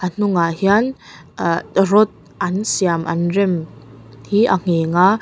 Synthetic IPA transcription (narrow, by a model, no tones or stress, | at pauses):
ʔan̥ʊŋaʔhian | rɔt̪̚ | ʔɐnsiamʔɐ̰nrɛmhiʔaŋ̥eːŋa